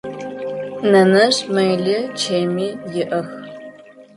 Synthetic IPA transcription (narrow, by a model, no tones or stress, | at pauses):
nɐnɐɕmɐjlɪt͡ʃʰeːjmiːjɪʔɐx